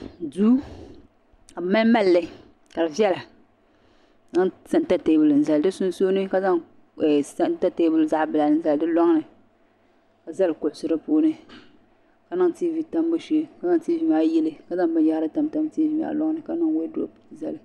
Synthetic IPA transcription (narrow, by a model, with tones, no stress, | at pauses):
duː˦ | ka˨ma˦n˦ma˦lːɪ˦ | ka˨lɨ˨vi˦ɛ˦la˨ | na˦ŋsa˦n˦ta˦te˨˦bʊ˨lɨ˨n̩˨za˨ldɨ˦sʊ˦n˦soː˦nɨ˦ka˦za˦ŋ | ɛ˨sa˦n˦ta˦te˦bɨ˨lza˦ʔbɨ˨la˨n̩˦za˨ldɨ˦lɔ˦ŋnɨ˨ | ka˨za˦lkʊ˨ʔʊ˨sʊ˦ɾɨ˦poː˦nɨ˦ | ka˨˦na˦ŋ˦tiː˦vi˨ta˦mbo˦ʃi˨˦ka˨˦za˦ŋ˨ti˦vi˨m˦a˦jɪ˦lɨ˨ka˨za˦ŋbɨ˦ja˦ɾɨ˦ta˨mta˦mtiː˦vi˨ma̰˨˦lɔ˦ŋnɨ˨ka˦nɨ˦ŋwo˦dʊ̰˨za˨lɨ˦